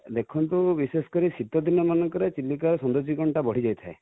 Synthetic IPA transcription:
d̪ekʰɔnt̪ubisesɔ̥kɔɾisid̪ɔd̪inɔmanɔŋkɔɾet͡ʃilːikaɾɔsɔnd̪od͡ʒikɔɳʈabɔɽ̤id͡ʒajt̪ʰae

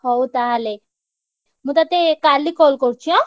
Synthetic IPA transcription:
hɔwt̪aale | mũt̪at̪ekalːikɔlkɔɾt͡ʃʰijɔ̃

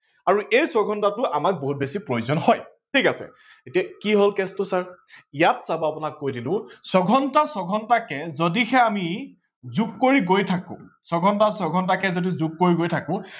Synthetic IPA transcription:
aɹuʔejsɔɡʱɔntatʊʔamak̚boɦut̚besipɹojuzɔnɦɔj | tʰikasɛ̰ | etiakiɦolkɛstʊsaɹijatsabɔapʊnakːojdilʊ̃sɔɡʱɔntasɔɡʱɔntakɛzodixɛami | zukːoɹiɡojtʰakʊ̰̃sɔɡʱɔntasɔɡʱɔnt̬akɛzodizuk̚ːoɹiɡojtʰakʊ̃

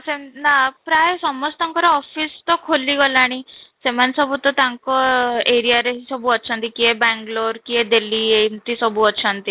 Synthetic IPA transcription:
senapɾajsɔmɔst̪ãŋkɔɾeɔfist̪ɔkʰolːiɡɔlaɽ̃isemansɔbut̪ɔt̪jaŋkɔeɾijaɾeɦisɔbʱuət̪ːsʰant̪ikiɛbɛ̃ŋɡloɾkiɛd̪elːient̪isɔbuətːɕʰant̪i

